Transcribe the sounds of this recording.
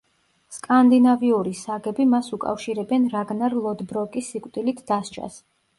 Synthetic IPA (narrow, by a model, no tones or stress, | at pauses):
skʼand̪inaviuɾisaɡɛbimasukʼa̰fʃiɾɛbɛnɾaɡnaɾlˠɔd̪bɾɔkʼisːikʼwt̪ʼilit̪ʰd̪̥ast͡ʃʰʼa̰s